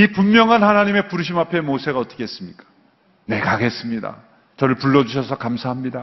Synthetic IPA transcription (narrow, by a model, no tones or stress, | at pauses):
ipumːjʌŋɦanhanaɲime̞puɾɯɕ̬ʰimapʰe̞mosʰe̞ɡaʌt͈ʌ̥kʰees͈ɯmɲik͈ḁ | ne̞kaɡe̞s͈ɯmɲida̰ | t͡ɕʌɾɯɭpuɭːʌd͡ʑuɕʰʌsʰʌkamsʰaɦamɲida